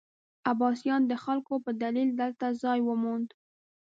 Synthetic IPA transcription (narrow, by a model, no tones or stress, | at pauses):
abɑsjɑnd̪əxalkopəd̪alild̪əlt̪azɑjwəmond̪